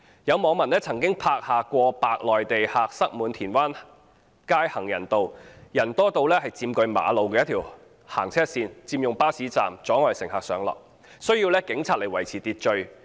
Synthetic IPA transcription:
jɐ˨˧wmɔː˨˧ŋmɐ˨˩nɛː˥t͡sʰɐ˨˩ŋkɪ˥ŋpʰaː˧k̚haː˨kʷɔː˧paː˧k̚lɔː˨jt̪e˨jhaː˨k̚sɐ˥k̚muː˨˧nt̪ʰiː˨˩nwaː˥n | kaː˥jhɐ˨˩ŋjɐ˨˩nt̪o˨wjɐ˨˩nt̪ɔː˥t̪o˧wlɛː˥hɐ˨jt͡siː˧mkɵ˧ɥma̰ː˨˧lo˨˧wkɛː˧jɐ˥t̪ʰiː˨˩w | ha̰ː˨˩ŋt͡sʰɛː˥siː˧nt͡siː˧mjʊ˨ŋpaː˥siː˨˥t͡sa̰ː˨mt͡sɔː˨˥ŋɔː˨jsɪ˨˩ŋhaː˨˩k̚sœː˨˧ŋlɔ̰ː˨k̚ | sɵ˥ɥjiː˧wlɛː˥kɪ˨˥ŋt͡sʰaː˧t̚le˨˩jwɐ˨˩jt͡sʰiː˨˩t̪iː˧t̚t͡ʃɵ˧ɥ

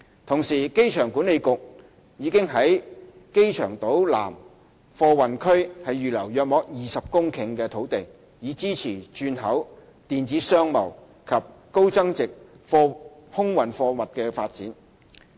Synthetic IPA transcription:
t̪ʰʊ˨˩ŋsiː˨˩ke˥jt͡ʃʰœː˨˩ŋkuː˨˥ne˨˧jkʊ˨k̚ | jiː˨˧kɪ˥ŋɦɐ˨˥j | ke˥jt͡ʃʰœː˨˩ŋt̪o˨˥wla̰ː˨˩m | fɔː˧wɐ˨˩nkʰɵ˥ɥhɐ˨jɥyː˨lɐ˨˩wjœː˨k̚mɔː˨˧k̚jiː˨sɐ˨p̚kʊ˥ŋkʰɪ˨˩ŋkɛː˧t̪ʰo˨˥wt̪ɪ˨˩ŋ | jiː˨˧t͡siː˥t͡sʰiː˨˩t͡ʃyː˧nɦɐ˨˥w | t̪iː˨nt͡siː˨˥sœː˥ŋmɐ˨˩w | kʰɐ˨p̚ko˥wt͡sɐ˥ŋt͡sɪ˨k̚ | fɔː˧hʊ˥ŋwɐ˨˩nfɔː˧wɐ˨t̚kɛː˧faː˧t̚t͡sḭː˨˥n

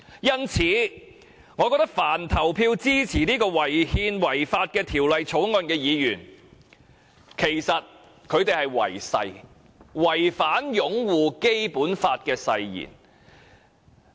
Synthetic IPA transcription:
jɐ˥nt͡sʰiː˨˥ | ŋɔ˨˧kɔː˧k̚t̪ɐ˥k̚faː˨˩nt̪ʰɐ˨˩wpʰiː˧wt͡siː˥t͡sʰiː˨˩niː˥kɔː˧wɐ˨˩jhiː˧nwɐ˨˩jfaː˧t̚kɛː˧t̪ʰiː˨˩wlɐ˨jt͡sʰo˨˥wŋɔː˧nkɛː˧jiː˨˧jyː˨˩n | kʰe˨˩jsɐ˨t̚ | kʰɵ˨˧ɥt̪e˨jhɐ˨jwɐ̰˨˩jsɐ̰˧j | wɐ˨˩jfaː˨˥njʊ˨˥ŋwuː˨ke˥jpuː˨˥nfaː˧t̚kɛː˧sɐ˧jjḭː˨˩n

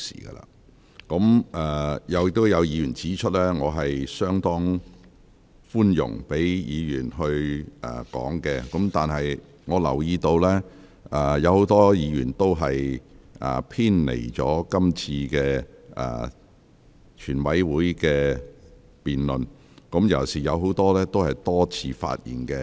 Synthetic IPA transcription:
sḭː˨˩ɡə̰˧la̰ː˧˥ | kɔ˨˥mʔɛː˨jɐ˨˧wjɪ˧k̚t̪ːo˥wjɐ˨˧wjiː˨˧jyː˨˩nt͡siː˨˥t͡ʃʰɵ˥t̚lɛː˥ŋɔː˨˧ɦɐ˨jsœː˥ŋt̪ɔː˥ŋ | fuː˥njʊ̰˨˩ŋpe˨˥jjiː˨˧jyː˨˩nɦɵ˧ɥʔɛ̰ː˨˩kɔ̰ː˨˥ŋkɛː˧kɔ˨˥mt̪aː˨nɦɐ˨j | ŋɔː˨˧lɐ̰˨˩wjiː˧t̪o˧wlɛː˥ | ʔɛː˨˩jɐ˨˧who˨˥wt̪ɔː˥jiː˨˧jyː˨˩nt̪o˥wɦɐ˨jʔɛ̰ː˨˩pʰiː˥nlḛ˨˩jt͡sɔ̰ː˨˥kɐ˥mt͡sʰiː˧kɛː˧ʔɛ̰ː˨ | t͡ʃʰyː˨˩nwɐ˨˥jwuː˨˥jkɛː˧ | piː˨nlɵ˨n | kɔ˨˥mjɐ˨˩wsiː˨˩jɐ˨˧wɦo˨˥wt̪ɔː˥lɛː˥t̪o˥whɐ˨˩jt̪ɔː˥t͡sʰiː˧fa̰ː˧t̚jḭː˨˩nkɛː˧

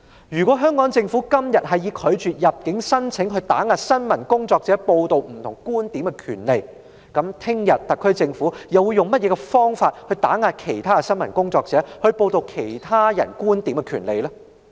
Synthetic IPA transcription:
jyː˨˩kwɔ˨˥ɦœː˥ŋkɔː˨˥ŋt͡sɪ˧ŋfuː˨˥kɐ˥mjɐ˨t̚ɦɐ˨jiː˧kʰɵ˨˧ɥt͡ʃyː˨t̚jɐ˨p̚kɪ˨˥ŋsɐ˥nt͡sʰɪ˨˥ŋɦɵ˧t̪a̰ː˨˥ŋaː˨˧t̚sɐ˥nmɐ˨˩nkʊ˥ŋt͡sɔː˧k̚t͡sɛː˨˥po˧wt̪o˨˧wm̩˨˩t̪ʰʊ˨˩ŋkuː˥nt̪iː˨˥mkɛ˧kʰy̰ː˨˩nle˨j | kɐ˨˥mt̪ʰɪ˥ŋjɐ˨t̚t̪ɐ˨kʰːɵ˥ɥt͡sɪ˧ŋfu˨˥jɐ˨wuː˧jʊ˨ŋmɐ˥t̚jɛː˨˧kɛ˧fɔː˥ŋfaː˧t̚hɵ˧ɥt̪aː˨˥ŋaː˧t̚kʰe˨˩jt̪ʰaː˥kɛ˧sɐ˥nmɐ˨˩nkʊ˥ŋt͡sɔː˧k̚t͡sɛː˨˥hɵ˧ɥpo˧wt̪o˧wkʰe˨˩jt̪ʰaː˥jɐ̰˨˩nkuː˥nt̪iː˨˥mkɛ˧kʰy̰ː˨˩nle˨jlaː˥

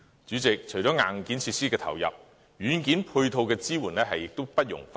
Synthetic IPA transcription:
t͡ʃyː˨˥t͡sɪ˨k̚t͡ʃʰɵ˨˩ɥt͡ʃɔː˨˥ŋa̰ː˨˩ŋkiː˨˥nt͡sʰiː˧t̚siː˥kɛː˧t̪ʰɐ̰˨˩wjɐ̰˨˩p̚ | jyː˨˥nkiː˨˥npʰu˧jt̪ʰo˧wkɛː˧t͡siː˥wuː˨˩nɛ˥ɦɐ˨jːɪ˨k̚t̪o˥wpɐ˥t̚jʊ̰˨˩ŋf

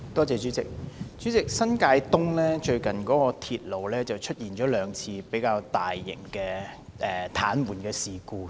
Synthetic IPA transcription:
t̪ɔː˥t͡sɛː˨t͡ʃyː˨˥t͡sɪ˨k̚t͡ʃy˨˥t͡sɪ˨k̚sɐ˥nkaː˧jt̪ʊ˥ŋlɛː˥t͡ʃɵ˧ɥkɐ˨nkɔː˨˥kɔː˧t̪ʰiː˨t̚lo˨wlɛː˥t͡sɐ˨wt͡ʃʰɵ˥t̚jiː˨˩nt͡ʃɔː˨˥lœː˨˧ŋt͡sʰiː˧pe˨˥jkaː˧wt̪aː˨jːɪ̰˨˩ŋkɛː˧ʔɛː˨˩t̪ʰaː˨˥nwuː˨nkɛː˧siː˨˩kuː˧

